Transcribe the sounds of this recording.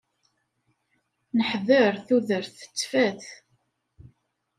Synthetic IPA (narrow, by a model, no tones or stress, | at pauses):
nəħðəɾθuðəɾθə̥t͡sːfæθ